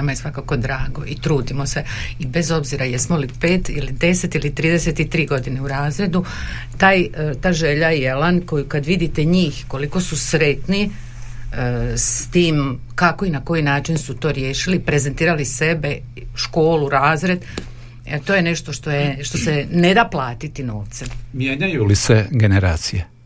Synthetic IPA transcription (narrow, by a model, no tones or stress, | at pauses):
namajesʋakako̞d̪ɾaːɡo̞it̪ɾuːd̪imo̞se̞ibe̞zo̞bziɾajesmolipeːt̪ilid̪e̞set̪ilit̪ɾiːd̪eset̪it̪ɾiːɡo̞d̪ine̞uɾaːzɾe̞d̪u | t̪aːjt̪aːjʒe̞ʎajelanko̞jukad̪ʋid̪it̪e̞ɲiːxko̞liko̞susɾe̞t̪ni | st̪iːm | kako̞inako̞jinaːt͡ʃinsut̪o̞ːɾjeːʃilipɾe̞zent̪iːɾalise̞be̞ | ʃko̞ːluɾaːzɾe̞d̪ | et̪o̞ːjene̞ʃt̪o̞ʃt̪o̞jeʃt̪o̞se̞ne̞d̪aːplˠaːt̪it̪ino̞ːʋt̪semjeːɲajuliseɡeneɾa̰ːt̪sije